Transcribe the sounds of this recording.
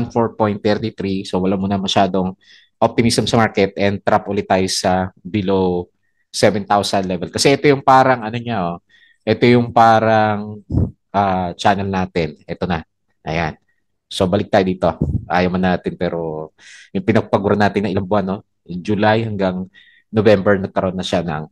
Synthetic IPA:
nfo̞ɹpo̞jnt̪ːɛɾt̪it̪ɾisowɐlamuːnɐmɐʃaːd̪o̞ŋ | ʔop̚t̪ɪmisɐmsɐmaɹkɛt̪̚ʔɛnd̪̚t̪ɾapʔʊlɪt̪ːaːjosɐbɪlow | sɛvɛnt̪awsɐnlɛvɛlkɐsɛʔɛt̪o̞jʊŋpaːɾɐŋʔɐnoɲaʔo | ʔɛt̪o̞jʊŋpaːɾɐŋ | ʔaːt͡ʃaːnɛlnaːt̪ɪnʔɛt̪o̞nɐ | ʔɐ̰jan | so̞bɐlɪk̪̚aːjod̪iːt̪o̞ʔa̰ːjɐmɐnːaːt̪ɪnpɛːɾo̞jʊŋpɪnɐɡ̚pɐɡuːɾɐnaːt̪ɪnɐŋʔɪlaŋbʊhanːo̞ | d͡ʒʊlajhɐŋɡaŋ | novɛmbɛɹnɐɡ̚kːɐɾoonːɐʃanɐ̰ŋ

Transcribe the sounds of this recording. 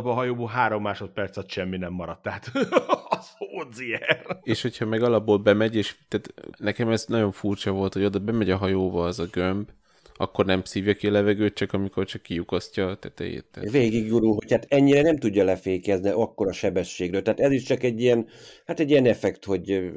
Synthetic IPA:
bɒɦɒjoːboːlɦaːɾo̞mːaːʃo̞t̪̚pɛrt̪sɒt̪ʃɛmːinɛmːɒɾɒt̪ːɛɦat̪ | zoːd̪zijɛneːʃho̞cʰhɒmɛɡɒlɒbːoːlbɛmɛɟeːʃt̪æt̪nɛkɛmɛznɒɟo̞ɱfurt͡ʃɒvo̞lt̪hood̪ɒbɛmɛɟɒɦɒjoːbɒɛzɒɡømb | ɒ̰kːo̞rnɛmsiːvjɒkiɒlɛvɛɡøːt̪̚t͡ʃɒkɒmiko̞rt͡ʃɒkːijukɒscɒt̪ɛt̪ɛ̰jḛt̪ːɛ̰veːɡiɡjuɾulɦo̞chaːt̪ɛɲːiɾɛnɛmt̪uɟːɒlɛfeːkɛzniʔɒkːo̞ɾɒʃɛbɛʃːeːɡrøːlt̪ɛːt̪ɛziʃt͡ʃɒkɛɟːijɛnhat̪ɛɟːijɛnɛfɛkt̪ho̞ɟ

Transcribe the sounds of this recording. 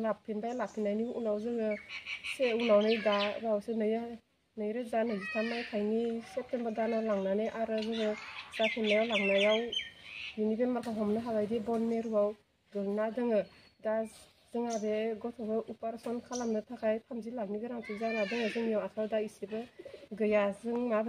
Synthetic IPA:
lapʰinbajalapʰinajniunawzɯŋɯseunawnɯjdabawsenɯj | nɯjɾɯzanazitʰamajkʰajnisep̚tʰembədanalaŋnaneʔaɾɯɡɯɡɯz̥apʰinnajawlaŋnajaw | junibemakʰaɦɔmnɯɦaɡajdebɔnmeɾuwaw | ɡɯnadɯŋɯ | da | d̥ɯŋabeɡɔtʰɔbɯʔupaɾsɔnkʰalamnɯtʰakʰajtʰamzilaŋ̚niɡɯɾaŋtʰuzanadɯŋazɯŋijawatʰadaisibɯɡɯjazɯŋmab

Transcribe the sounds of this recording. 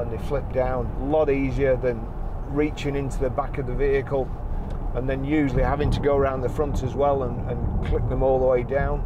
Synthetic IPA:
ə̃nðeɪflɪp̚d̥ãʊ̃nəlɒɾiːziə˞ðə̃n | ɹiˑt͡ʃɪ̃ŋɪ̃ntuðəbakəvðəviɨkʰəlˠ | ə̃nðɨ̃njʉːʒəl̩ˠihavɪ̃ŋtʰəɡoʊəɹãʊ̃nðəfɹʌ̃ntʰəzwɛlˠə̃nə̃nkʰl̥ɪk̚ðə̃mɔlˠðəweɪdãʊ̃n

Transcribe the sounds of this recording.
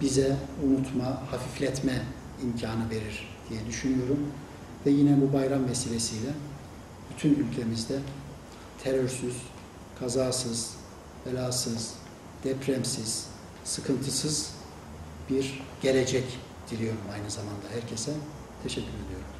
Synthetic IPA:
b̥izɛunut̪ʰmahafiflʲɛt̪mɛ | imcʰaːnɯve̞ɾiɾ̥ | d̪̥ijɛd̪yʃynyjo̞ɾum | vɛjinɛbubajɾamvesiːlʲesijlʲɛ | b̥yt̪ʰynylʲcʰe̞mizd̪ɛ | t̪ʰeɾøɾsyz̥ | kʰazaːsɯz̥ | felʲaːsɯz̥ | d̪̥ɛpʰɾɛmsiz̥ | sɯkʰɯnt̪ʰɯsɯz̥ | b̥iɾɟ̥e̞lʲed͡ʒɛc | d̪̥ilʲijo̞ɾumajnɯzamand̪aɦæɾcʰesɛ | t̪ʰeʃɛcʰːyɾed̪ijo̞ɾum

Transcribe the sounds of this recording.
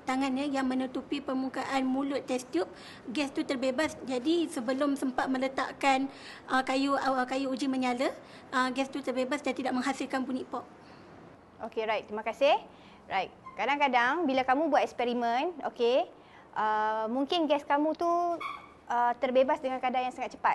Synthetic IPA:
t̪aŋanɲəjaŋmə̃nət̪upipərmukaʔanmũlʊt̪ːɛst̪jup̚ | ɡɛst̪ut̪ərbebasd͡ʒadisəbəlʊmsəmpat̪̚mə̃lət̪a̰ʔkanʔəkajukajuːd͡ʒimə̃ɲalə | ʔəɡɛst̪ut̪ərbebasdat̪idaʔ̚mə̃ŋɦasilkanpuniʔpɔp̚ | ʔokeɾajt̪̚t̪ːimãkasɪh | ɹajt̪̚kadaŋkadaŋbilakamũbuat̪ɛkspɛɾimə̃no̰ke | ʔəmuŋkɪnɡɛskamũt̪u | ʔət̪ərbebasdəŋankadaŋjaŋsaŋat̪̚t͡ʃəpat̪

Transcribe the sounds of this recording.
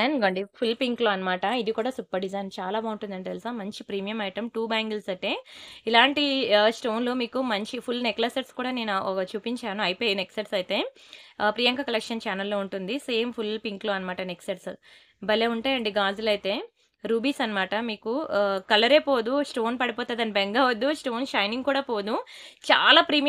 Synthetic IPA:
aːnɡɐɳɖipʰulpiŋkloːɐnːɐmaːʈɐid̪ikuːɽaːsupːɐɾɖizɐjnt͡ʃaːlaːbaːuɳʈund̪ɐɳʈit̪elsaːmmɐɲt͡ʃipɾiːmijɐmɐjʈɐmʈuːbaːŋɡɐlsɐʈeːilaːɳʈisʈoːnlo̞ːmiːkumɐɲt͡ʃipʰulneklɐseʈskuːɽaːne̞ːnuɔkɐt͡ʃuːpiɲt͡ʃaːnuɐjpoːjɐneksɐʈsɐjit̪e̞ːpɾijɐŋkɐkɐlekʂɐnt͡ʃaːnɐlːo̞ːuɳʈund̪ise̞ːmpʰulpiŋkloːɐnɐmaːʈɐneksɐʈs | bɐlːeːuɳʈaːjɐɳɖiɡaːzulɐjt̪e̞ː | ɾuːbiːsɐnɐmaːʈɐmiːkukɐlɐɾeːpo̞ːd̪usʈoːnpɐɽipɔːt̪aːd̪ɐnibeŋɡaːʋɐd̪ːusʈo̞ːnʃɐjniŋɡkuːɽaːpoːd̪ut͡ʃa̰ːlaːpɾiːm

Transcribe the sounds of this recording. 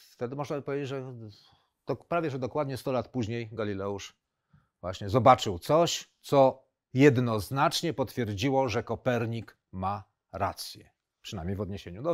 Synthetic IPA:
ft̪ɛd̪ɘmɔʐnabpɔvʲed͡ʑed͡ʑʐɛ | d̪̥ɔpɾavʲjɛʐɛd̪ɔkwad̪ɲɛst̪ɔlat̪puʑɲejɡalʲilɛuʂ | vwa̰ɕɲɛzɔbat͡ʂɘwt̪sɔɕt̪sɔ | jɛd̪nɔznat͡ʂɲɛpɔt̪fʲjɛɾd͡ʑiwɔʐɛkɔpɛɾɲik | ma | ɾa̰t̪sʲjɛ | pʂɨna̰jmʲjejvɔd̪ɲeɕeɲud̪ɔ

